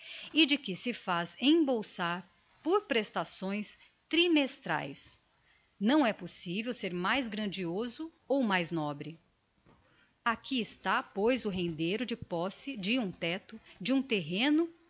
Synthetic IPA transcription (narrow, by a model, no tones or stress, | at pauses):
ɪd͡ʒɪkɪsɪfazẽbowsaɾ | poɾpɾest̪asõj̃s | t̪ɾimest̪ɾa̰js | nɐ̃w̃ɛposivewseɾmajzɡɾɐ̃d͡ʒiozʊ | owmajznɔbɾɪ | akʰiɪst̪apojzʊɦẽnd̪ejɾʊd͡ʒɪpɔsɪd͡ʒɪũt̪ɛt̪ʊd͡ʒɪũt̪eɦẽnʊ